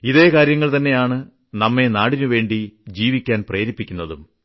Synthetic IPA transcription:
iðe̞ːkaːɾjɐŋːɐɭt̪ɐnːe̞jaːɳɨ | nɐmːe̞naːɽinuʋe̞ːɳɖid͡ʑiːʋikʲːaːnpreːɾipːikʲːunːɐðum

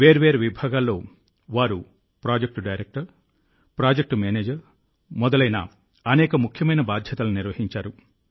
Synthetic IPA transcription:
ʋeːɾʋeːɾʋibʱaːɡaːlːo̞ː | ʋaːɾu | pɾaːd͡ʒek̚ʈɖɐjɾek̚ʈɐɾ | pɾaːd͡ʒek̚ʈmeːneːd͡ʒɐɾ | mɔd̪ɐlɐjnɐ̰ | ɐnɛːkɐmukʰjɐmɐjnɐbaːd̪ʱjɐt̪ɐluniɾʋɐhiɲt͡ʃaːɾu

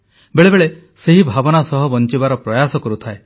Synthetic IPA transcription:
beɭebeɭe | seɦibʱabɔnasɔɦɔbɔnt͡ʃibaɾɔpɾɔjasɔkɔɾut̪ʰae

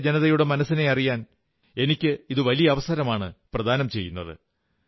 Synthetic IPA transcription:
d͡ʑenɐðɐjuɽe̞mɐnɐsːine̞ɐrijaːn | e̞nikʲːɨiðɨʋɐlijɐɐʋɐsɐɾɐmaːɳɨprɐd̪ʱaːnɐmt͡ɕe̞jːunːɐðɨ̰

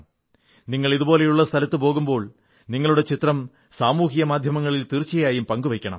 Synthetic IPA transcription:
niŋːɐɭiðubo̞ːle̞juɭːɐst̪ʰɐlɐt̪ːɨpo̞ːɣumbo̞ːɭ | niŋːɐɭuɽe̞t͡ɕit̪rɐm | saːmuːhijɐmaːd̪ʱjɐmɐŋːɐɭilt̪irt͡ɕːɐjaːjumpɐŋɡuʋekʲːɐɳɐ̰m

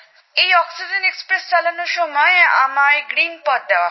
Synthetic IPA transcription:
ejɔksid͡ʑenekspɾest͡ɕalanoɾʃɔmɔeamaɾɡɾinpɔt̪d̪ewa

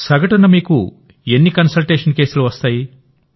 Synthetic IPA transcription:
sɐɡɐʈunːɐmiːku | e̞nːikɐnsɐlʈe̞ːʂɐnke̞ːsuluʋɐst̪aːji

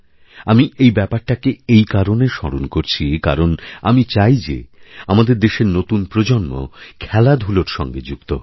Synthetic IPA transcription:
amiʔejbɛpaɾʈakeejkaɾoneʃɔɾonkoɾt͡ɕʰika̰ɾona̰mit͡ɕajd͡ʑḛamad̪eɾd̪eʃeɾnot̪unpɾod͡ʑonmo̰kʰɛlad̪ʱuloɾʃɔ̰ŋɡed͡ʑukt̪o̰

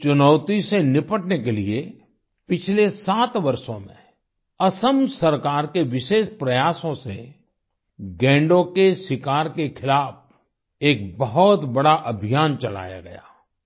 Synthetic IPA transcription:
t͡ʃʊnɔːʊt̪isenɪpəʈnekelie | pɪt͡ʃʰlesaːt̪ʋɐɾʃõmḛ̃ | ɐsəmsɐɾkaːɾkeʋɪʃeːʃpɾɐjaːsõsḛ | ɡɛ̃ːɳɖõkesɪkaːɾkekʰɪlaːf | eːk̚bɐɦɔt̪bɐɽaʔɐbʱijaːnt͡ʃɐla̰ːja̰ɡɐ̰ja̰ː

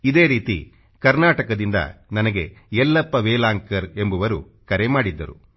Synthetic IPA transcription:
id̪e̞ːɾiːt̪ḭ | kɐɾnaːʈɐkɐd̪ind̪ɐ̰nɐnɐɡe̞ɛlːɐpːɐʋeːlaːŋkɐɾe̞mbuʋɐɾu | kɐɾemaːɽid̪ːɐ̰ɾṵ

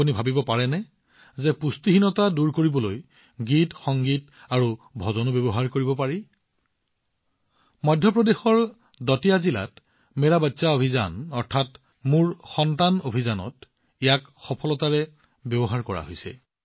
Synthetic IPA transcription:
unibʱabibɔpaɹɛnɛ | zɛpustiɦinɔtaduɹkoɹibɔloj | ɡitxɔŋɡit | aɹubʱɔzɔnɔbɔbɔɦaɹkoɹibɔpaɹi | mɔjdʱjɔpɹɔdexɔɹ | dɔtijazila̰t | mɛɹabatsaobʱiza̰nɔɹtʰat | muɹxɔntanobʱizanɔ̰t | ijak | xɔpʰɔlɔtaɹɛ | bjɔbɔɦaɹkɔɹa̰ɦojsɛ̰

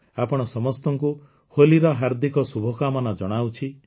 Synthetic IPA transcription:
apɔɽ̃ɔsɔmɔst̪ɔŋku | holiɾɔɦaɾd̪ikɔsubʱɔkamanɔd͡ʒɔɽ̃awt͡ʃʰi

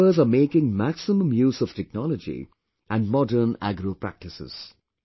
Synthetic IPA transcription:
əzameːkɪ̃ŋmæksɪmə̃mjuːzɔʋ̥tʰɛk̚nɔləd͡ʒḭ | ʔæ̃nmɔdənæ̰ɡɾoːpɾæ̰k̚ʈɪsɪ̰z̥

